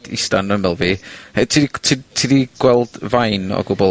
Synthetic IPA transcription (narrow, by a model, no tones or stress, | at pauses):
d̥ḭstanəmɛlˠviːhatʰitʰitʰiðiɡ̥wɛlˠd̥vajnɔ̰ɡʊbɔ